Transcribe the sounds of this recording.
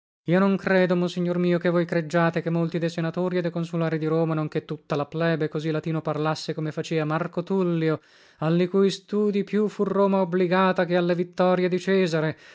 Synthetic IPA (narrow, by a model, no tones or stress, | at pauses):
iːonoŋkɾɛːd̪omonsiɲːormiːokevojkɾed͡ʒːaːt̪ekemːolt̪id̪ejsenat̪oːɾiɛd̪ɛjkonsulaːɾid̪iɾoːmanoŋk̟et̪ːut̪ːalaplɛːbekːozilːat̪iːnoparlasːekomefat͡ʃɛːvamarkot̪ulːio | alːikujst̪uːd̪ipjufuroːmaobliɡaːt̪akealːevit̪ːɔːɾjed̪it͡ʃɛːzaɾe